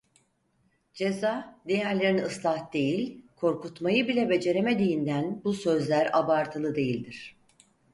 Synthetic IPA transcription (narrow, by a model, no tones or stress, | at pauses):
d͡ʒe̞zaːd̪e̞jæɾlʲeɾiniɯslˠahd̪e̞jilʲkʰo̞ɾkut̪majɯbilʲɛbe̞d͡ʒe̞ɾeme̞d̪ijind̪ænbusø̞zlʲæɾabaɾt̪ʰɯlˠɯd̪e̞jilʲd̪iɾ̝̥